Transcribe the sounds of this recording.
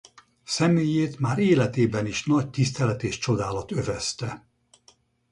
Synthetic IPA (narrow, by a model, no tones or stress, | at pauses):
sɛmeːjeːt̪maːɾeːlɛt̪eːbɛniʃnɒc̚t̪ist̪ɛlɛt̪eːʃt͡ʃo̞d̪aːlɒt̪ø̞vɛst̪ɛ